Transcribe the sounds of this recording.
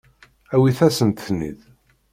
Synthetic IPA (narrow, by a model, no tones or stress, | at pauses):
æwiθæsənt̪θnḭð